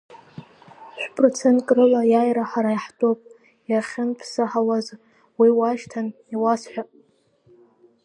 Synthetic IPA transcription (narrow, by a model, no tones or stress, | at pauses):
ʃᶣʷpʼrot͡sʰe̞ntkʼrɨlajajɾaħaɾajħtʼopʼ | jarχʲɪnpʰsɨħawaz | wiwaʃtʰan | iwasħʷᶣa